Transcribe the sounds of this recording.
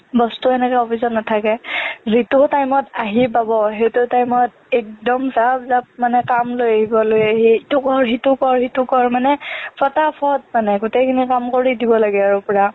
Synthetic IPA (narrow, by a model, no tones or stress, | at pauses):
bɔstuɛnɛkaɔpʰisɔnnatʰakɛzitutajmɔtaɦip̬abɔɦetutajmɔt̚ | ɛk̚dɔmsabzap̚manɛkamlojaɦibɔlojaɦitukɔɹɦitukɔɹhitukɔɹmanɛpʰɔtapʰɔt̚manɛɡutɛkʰinikamkoɹidibɔlaɡɛaɹʊpɔɹa